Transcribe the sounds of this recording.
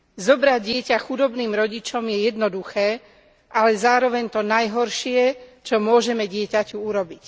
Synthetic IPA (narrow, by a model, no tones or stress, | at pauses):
zɔbɾaɟɪɛcaxud̪ɔbniːmɾɔɟit͡ʃɔmjɛjɛd̪nɔd̪uxɛː | ʔalɛzaːɾɔʋɛɲt̪ɔnajɦɔɾʃɪɛt͡ʃɔmʊɔʒɛmɛɟɪɛcacuuɾɔbic